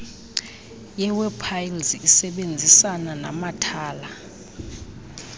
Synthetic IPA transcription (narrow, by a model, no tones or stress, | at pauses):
jɛwɛpʰajlzisɛɓend͡zʱisanana̰matʰaːla